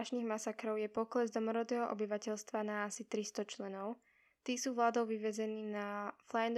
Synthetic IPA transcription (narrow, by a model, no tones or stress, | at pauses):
aʃniːɣmasakɾɔʊjɛpɔklɛzd̪ɔmɔɾɔd̪ɛːɦɔʔɔ̰biʋacɛʎst̪ʋanaasit̪ɾist̪ɔt͡ʃlɛnɔʊ | t̪iːsuːʋlaːd̪ɔʊʋiʋɛd͡zɛniːnaflaɛnd̪